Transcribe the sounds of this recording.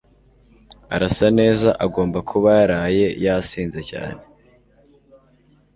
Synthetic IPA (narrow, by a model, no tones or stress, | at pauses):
aɾasane̞ːzaʔaɡo̞ːmbakʰuβajaɾaːje̞jasiːnze̞ca̰ːne